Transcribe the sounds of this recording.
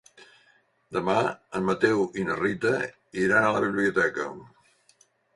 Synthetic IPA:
d̪əmaəmːət̪ɛwinərit̪ə | iɾanələβiβliut̪ɛkə̰

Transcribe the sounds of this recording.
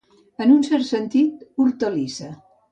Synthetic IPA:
ənunsɛɾt̪sənt̪it̪̚uɾt̪əlisə

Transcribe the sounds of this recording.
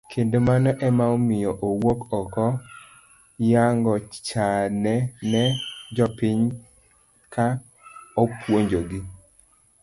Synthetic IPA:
kʰendomanɔʔɛmaomɪjɔʔowokɔkɔ | jaŋɡɔt͡ʃanɛnɛd͡ʒɔpɪɲ | ka | opwoɲd͡ʒoɡi

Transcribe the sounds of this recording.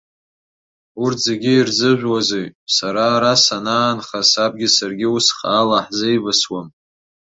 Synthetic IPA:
urtʰzeɡʲiirzɨʒʷᶣwazejsaɾaːɾasanaːnχasab̚ɡʲɪsarɡʲɪusχaːlaħzejvɨswam

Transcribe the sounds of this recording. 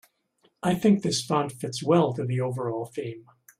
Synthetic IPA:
ʔaɪθɪ̃ŋk̚ðɪsfɑ̃ndfɪtswɛlˠtɨ˞ðioʊvə˞ɔlˠfẽɪ̃m

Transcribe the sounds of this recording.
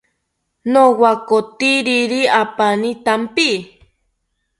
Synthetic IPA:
nowakot̪iɾiɾiapanit̪ampi

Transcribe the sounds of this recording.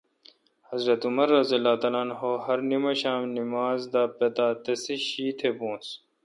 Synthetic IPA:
hɐzɾɐt̪umɐɾːɐziɐlːaːt̪ɐlaːnɦoːhɐɾnimɐɕaːmnimaːzd̪aːpɐt̪aːt̪ɐsiɕiːt̪ʰebõːs

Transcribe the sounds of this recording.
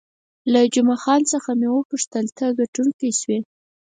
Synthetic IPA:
lad͡ʒʊmɑxɑnt͡səxamewəpʊʂt̪əlt̪ʰəɡaʈuŋkiʃwe

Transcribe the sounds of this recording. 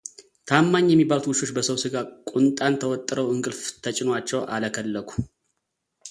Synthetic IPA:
t̪ʰamːaɲːjɛmːibalt̪wɨʃo̞t͡ʃːbəsəwsɨɡakʷʼʊnt̪ʼant̪ʰəwɔt̪ʼːɨɾəwɨŋɡɨlft̪ʰət͡ʃʼɪnwat͡ʃːɛwʔa̰ləkʰəlːəkʰu̥

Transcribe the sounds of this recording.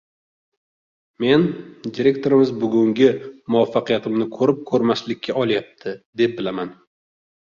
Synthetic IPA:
me̞nd̪iɾe̞k̚ʲt̪ʰo̞ɾɪmɪzbʊɡʲʊŋɡʲɪmʊafːɑqijat̪ʰɪmnɪkʰɵɾɪp̚kʰɵɾmaslɪkʲʰːaɒlˠjap̚t̪ʰɪd̪e̞p̚bɪlaman

